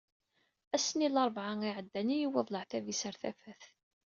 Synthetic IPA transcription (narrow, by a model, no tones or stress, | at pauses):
æsːəniləɾˤvʕaŋiʕəd̪ːænijiwæðˤləʕθævisəɾθæ̰fæθ